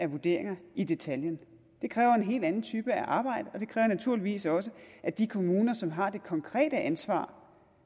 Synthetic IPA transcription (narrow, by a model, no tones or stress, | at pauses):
æʋuɐd̥e̝̰ɐ̰eŋɐid̥e̝t͡sʰæljən | d̥e̝kʰʁɛːʊɐenɦe̝̰ːld̥ænn̩t͡sʰyːb̥əæʔɑ̈ːb̥ɑ̈ɪ̰d̥əɒ̽d̥e̝kʰʁɛːʊɐnæt͡sʰuɐ̰liʋḭːsɒ̽s̬əʔæd̥ikʰo̝muːnɐsɒ̽mɦɑ̈d̥e̝kʰɒ̽ŋkʰʁɛ̰ːd̥əʔænsʋɑ̰̈ː